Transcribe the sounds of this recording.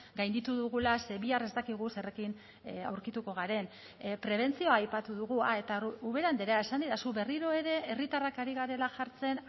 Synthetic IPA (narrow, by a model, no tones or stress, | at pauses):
ɡajnd̪it̪uðuɣulaseβiare̞st̪akiɣ̞use̞re̞kin | a̰wɾkit̪uko̞ɣ̞aɾe̞n | pɾe̞β̞e̞nt͡sio̞aːjpat̪uðuɣuae̞t̪auβ̞e̞ɾand̪e̞ɾeae̞sand̪iɾasuβe̞riɾo̞e̞ɾe̞ːrit̪arakaɾiɣaɾe̞laʝaɾt͡se̞n